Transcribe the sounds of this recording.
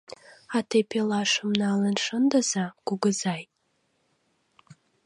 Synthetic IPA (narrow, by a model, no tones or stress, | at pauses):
atʰepʰelaʂɨmnaːlanʂɨndazaɡ̥ʊɡɨzajʼ